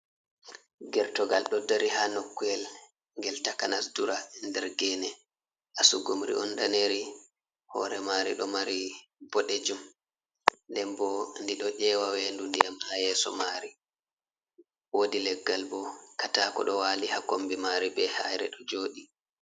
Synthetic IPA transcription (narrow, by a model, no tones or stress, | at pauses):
ɡɛɾtɔɡalɗɔdaɾihanokːujɛl | ŋɡɛltakanasduɾandɛɾɡɛnɛ | ʔasuɡumɾḭʔɔndaneɾi | hɔ̰ɾɛmaɾiɗɔmaɾibɔɗed͡ʒum | lɛmbɔndiɗɔʔɛwawendundijamhajɛsɔ̰maɾi | wodilɛɡːalbɔkatakɔ̰ɗɔwaːlihakombimaɾibɛhajɾɛ̰ɗɔd͡ʒoːɗi